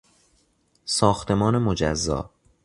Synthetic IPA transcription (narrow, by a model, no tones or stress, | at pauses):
sɒːxt̪ʰe̞mɒːne̞mod͡ʒæ̰zːɒ̰ː